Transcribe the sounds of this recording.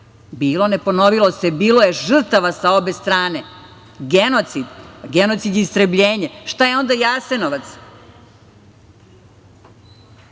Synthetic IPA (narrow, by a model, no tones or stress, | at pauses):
biːlo̞ne̞po̞noʋilo̞sebiːlo̞jeʒr̩t̪aʋasao̞be̞st̪ɾaːne̞ | ɡenot̪sid̪ɡeno̞t̪sid̪jist̪ɾəbʎeːɲeʃt̪ajeo̞nd̪ajaːsenoʋat̪s